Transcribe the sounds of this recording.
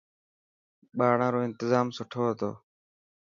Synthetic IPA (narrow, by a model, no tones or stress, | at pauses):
ɓaːɽãːɾoːɪnt̪ɪzaːmsʊʈʰoːɦət̪o̰ː